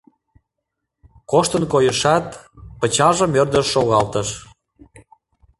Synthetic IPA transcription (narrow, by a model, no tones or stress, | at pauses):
koʃt̪ənkojəʃɑt̪pə̆t͡ɕɑʒə̆mørd̪əʃːoɣɑlt̪əʃ